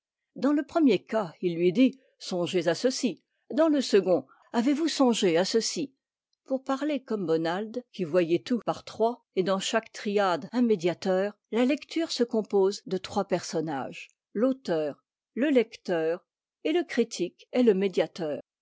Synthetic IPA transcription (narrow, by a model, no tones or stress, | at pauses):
d̪ɑ̃ləpχəmjekailːɥid̪i | sɔ̃ʒezasəsi | d̪ɑ̃ləsəɡɔ̃ | avevusɔ̃ʒeasəsi | puʁpaʁlekɔmbɔnald̪kʲivwajɛt̪upaʁt̪χwa | ed̪ɑ̃ʃakt̪χiad̪ɛ̃med̪jat̪œːʁ | lalɛkt̪yːʁsəkɔ̃pozd̪ət̪χwapɛʁsɔna̰ʒ | lot̪œːʁ | ləlɛkt̪œːʁ | eləkχit̪ʰikɛləmed̪jat̪œːʁ